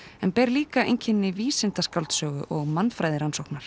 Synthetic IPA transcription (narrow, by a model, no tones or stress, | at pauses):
ɛnpɛːɾliːkaḛjɲcʰɪnːɪviːsɪnt̪askawlt̪sœːɣʏ̰ʔɔɣmanːfɾajðɪɾansowknaɾ̥